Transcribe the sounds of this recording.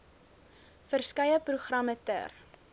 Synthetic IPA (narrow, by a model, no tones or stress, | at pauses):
fərskɐjəpruχrɐmətə̰r